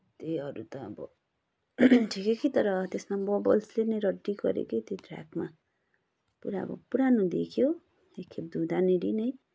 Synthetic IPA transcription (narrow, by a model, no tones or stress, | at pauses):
t̪eɦʌɾṵt̪ʌːbʌ̰ | ʈʰikekit̪ʌɾʌt̪esmabʌbʌ̰lslenʌjɾʌɖːiɡʌ̰ɾḛkot̪edra̰ɡma | puɾaʌ̰bʌ̰puɾanud̪ḛkʰijo | ekʰːeb̚d̪ud̪aneɾinʌj